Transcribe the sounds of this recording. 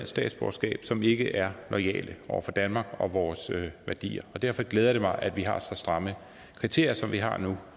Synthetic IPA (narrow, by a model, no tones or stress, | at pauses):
nsd̥ɛ̰ːd̥sb̥ɒ̰sɡ̥ɛ̰ːb̥sɒ̽me̝ɡ̥əʔæɐnɒ̽ɪɛ̰ːlʔəʔɒʊɐfɒ̽d̥ænmɑ̈ɡ̥ɒ̽ʋɒːsʋæɐd̥ḭːɐɒ̽d̥æɐ̰fɒ̽ɡ̥leːð̞ˠɐɾ̥e̝mɑ̈ɪʔæd̥ʋiɦɑ̈sɒsd̥ʁɑ̈mə | kʰʁit͡sʰe̝ɐ̰jɐsɒ̽mʋiɦɑ̈nu